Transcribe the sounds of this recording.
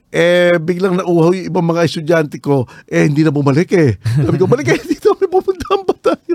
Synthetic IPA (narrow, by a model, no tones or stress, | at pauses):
ʔɛbɪɡlɐŋnɐʔuːhɐwjʊŋɪbaŋmɐŋaɛst̪ʊd͡ʒant̪ɛko̞ʔɛhɪnd̪iːnɐbʊmɐlɛkɛsaːbɪkomɐlɛk̬ɛhɪnd̪iːt̪oɐmɐjpupʊnt̪aɐmpat̪aːjo